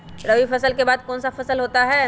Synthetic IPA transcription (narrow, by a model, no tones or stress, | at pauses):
ɾɐʋifʰɐsəlkebaːd̪̚kɔːnsafʰɐsəlɦoːt̪aɦɛː